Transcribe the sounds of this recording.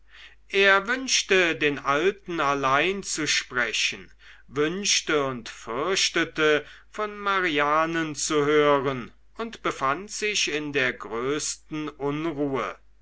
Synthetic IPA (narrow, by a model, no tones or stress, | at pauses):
ʔeːɐvʏnʃtədeːnʔaltn̩alaɪnt͡suʃpʁ̥ɛçən̩ | vʏnʃtəʊntfʏɐʃtətə | fɔnmaʁiaːnənt͡suɦøːʁən | ʔʊntb̥əfantz̥ɪçɪndeːɐɡʁøːstn̩ʔʊnʁuːə